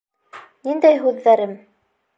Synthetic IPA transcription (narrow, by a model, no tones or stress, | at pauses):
nind̪æjɦʉðːæɾɘm